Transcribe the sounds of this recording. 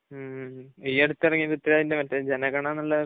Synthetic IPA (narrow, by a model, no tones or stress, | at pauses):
iːɐɽut̪ːɨirɐŋːilet̪ːiɾaːðindemɐtːɐd͡ʑenɐɡɐɳɐnːɐlːɐ